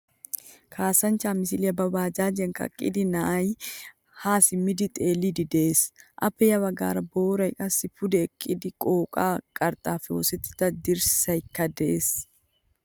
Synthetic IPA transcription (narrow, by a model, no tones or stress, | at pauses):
kʰaːsɐnt͡ʃaːmɪsɪlɪɐbɐbaːd͡ʒaːd͡ʒɛŋkɐ̰kʼɪ̰d̪ɪnaj | haːsɪmɪd̪ɪt̪ʼeːlid̪ɪd̪eːsʔɐpːɛjɐwɐɡa̰ːɾɐboːɾɐɪkʼɐsɪfʊd̪ɛkʼːɪd̪ɪkʼoːkʼaːkʼɐɾt̪ʼaːfo̰ːsɛt̪ːɪ̥t̪ɐd̪ɪɾsɪ̥sɐjɪkːɐd̪ɛʔes